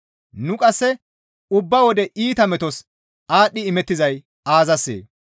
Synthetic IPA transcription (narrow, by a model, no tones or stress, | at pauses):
nʊkʼɐsːɛ | ʊbːɐwɔd̪ɛʔiːt̪ɐmɛt̪ɔs | aːɗːɪɪmɛt̪ːɪzɐj | aːzɐsːḛː